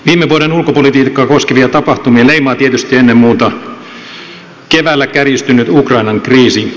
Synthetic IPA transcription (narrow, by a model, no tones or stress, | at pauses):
ʋiːmːeʋuoɾenulkopolit̪iːkːɑːkoskeʋiɑt̪ɑpɑht̪umieleimɑːt̪iet̪yst̪ienːemmuːt̪ɑ | keʋæːlːækærjist̪ynyt̪ukrɑinɑŋkriːsi